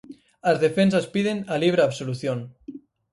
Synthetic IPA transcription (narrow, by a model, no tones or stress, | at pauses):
azðefensaspiðenaliβ̞ɾaːβsoluθjon